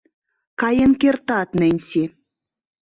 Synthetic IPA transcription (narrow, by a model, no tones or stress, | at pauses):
kɑjĕnkert̪ɑt̪nɘ̆nʲsi